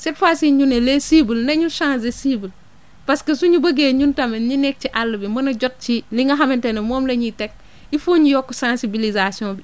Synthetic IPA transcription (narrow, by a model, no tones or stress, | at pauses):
sefasiɲunelesibəlnɐɲusãnzesibəl | paskɐsuɲubɐɡeːɲuntɐmɐɲinek̚t͡ʃiʔalːɐbimbɐnɐɟot̚t͡ʃiliŋɡɐɦamintenemoːmlɐɲitek̚ | ifuɲijokːusãnsibilizasiõːbi